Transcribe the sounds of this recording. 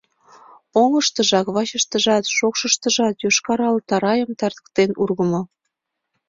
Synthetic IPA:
oŋəʃt̪əʒɑkβɑt͡ɕəʃt̪ə̆ʒɑt̪ʃokʃəʃt̪əʒɑt̪joʃkɑɾɑlt̪ɑɾɑjəmt̪ɑrd̪ə̥̆k̚t̪enurɣəmo

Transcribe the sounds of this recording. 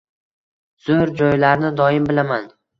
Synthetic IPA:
z̥ʊɾd͡ʒɒjlaɾnɪd̪ɒjɪmbɪlaman

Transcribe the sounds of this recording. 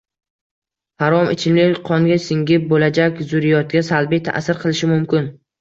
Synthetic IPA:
haɾɒmʔɪ̰t͡ʃʰɪmlɪqʰɒŋɡʲasɪŋɡʲɪp̚bolad͡ʒakʲzʊɾɪjɒt̪̚ɡʲasalˠbijt̪ʰa̰ʔsɪɾqʰɨlˠɪʃɪmʊmkʲɪn

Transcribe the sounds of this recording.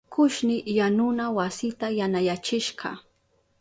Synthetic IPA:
kʰʊʃnɪjanʊnawasɪt̪ajanajat͡ʃɪʃɢɑ̰

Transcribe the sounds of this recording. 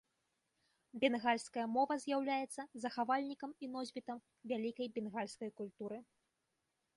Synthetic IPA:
bʲɛnɣalʲskɐjɐmɔvɐzʲjawlʲajɛt̪sːɐzɐxavalʲnʲikɐminɔzʲbʲit̪ɐm | vʲalʲikɐjbʲɛnɣalʲskɐjkulʲt̪uɾɨ

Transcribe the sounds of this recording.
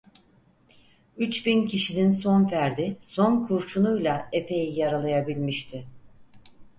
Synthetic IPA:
yt͡ʃbincʰiʃininso̞nvæɾd̪iso̞nkʰuɾt͡ʃʰunujlˠae̞pʰe̞jijaɾalˠajabilʲmiʃt̪ʰɪ

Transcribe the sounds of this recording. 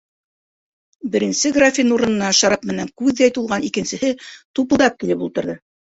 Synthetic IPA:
bɘ̆ɾɘ̆nsɘɡrafʲinuɾɤ̆nɤ̆nːɑʃɑɾɑpmɘ̆næŋkʉðːæjt̪ulˠʁɑnikɘ̆nsɘ̆hɘt̪upɤ̆lˠd̪ɑp̚kilɘpulˠt̪ɤ̆ɾðɤ

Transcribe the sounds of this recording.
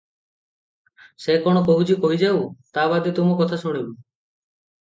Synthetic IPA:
sekɔɽ̃ɔkoɦut͡ʃʰikoɦid͡ʒawt̪abad̪et̪umɔkɔt̪ʰasuɽ̃ibu

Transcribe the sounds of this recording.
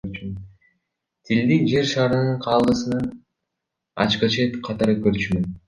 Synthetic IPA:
ɾt͡ʃym | t̪ʰild̪ind͡ʒe̞ɾʃɑːɾɯnɯɴqʰɑːlˠɯsɯnɯn | ɑ̰t͡ʃqɯt͡ʃʰe̞t̪qʰɑt̪ɑɾɯkøɾt͡ʃymøn

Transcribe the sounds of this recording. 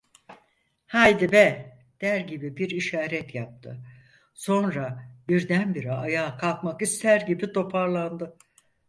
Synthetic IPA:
hajd̪ibɛ | d̪̥æɾɟibibiɾiʃaːɾɛt̪jap̚t̪ʰɯ̰ | so̞nɾabiɾd̪ænbiɾiajaːkʰalˠkmakist̪ʰæɾɟibit̪ʰo̞pʰaɾlˠand̪ɯ

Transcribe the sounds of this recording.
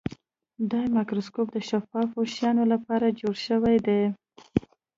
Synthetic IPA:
d̪ɑjmakɾoskopd̪əʃafɑfoʃjɑnolapɑɾad͡ʒoɽʃəwajd̪e

